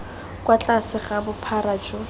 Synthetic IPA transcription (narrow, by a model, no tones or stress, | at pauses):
kwat͡ɬʼasɪχabʊpʰarat͡ʃʼʊ